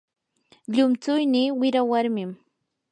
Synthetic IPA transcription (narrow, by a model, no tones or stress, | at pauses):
ʎʊmt͡sʊjniːwɪɾawaɾmɪm